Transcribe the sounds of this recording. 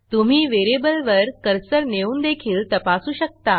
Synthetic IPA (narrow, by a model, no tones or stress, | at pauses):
t̪um̤iːʋeɾebəlʋəɾkəɾsəɾneuːnd̪ekʰiːlt̪əpasuːɕək̚t̪a